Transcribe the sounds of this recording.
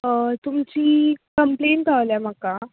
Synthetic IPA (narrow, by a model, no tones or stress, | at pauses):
t̪umt͡ɕiːkəmplent̪aʋljam̤aka